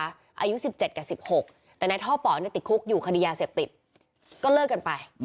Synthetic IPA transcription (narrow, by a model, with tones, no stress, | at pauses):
ʔa̰ː˧ju˦˥si˨˩p̚t͡ɕe˨˩t̪̚ka˨˩si˨˩p̚ho˨˩k̚ | t̪ɛː˨˩na˧jt̪ʰɔː˥˩pɔː˩˦ni˥˩t̪i˨˩t̪̚kʰu˦˥k̚juː˨˩kʰa˧di˧jaː˧seː˨˩p̚t̪i˨˩t̪̚ | kɔː˥˩lɤː˥˩kːa˧npa˧j